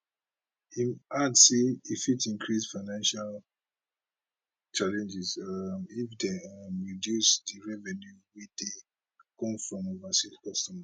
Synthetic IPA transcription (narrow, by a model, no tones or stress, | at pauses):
imadsiifitĩŋkʰɹisfaɪnãnʃal | t͡ʃalɛ̃nd͡ʒizamifdeamɹidjusdiɹɛvɛnjuwid̥e | kɔ̃mfɹɔ̃movasitkɔstɔma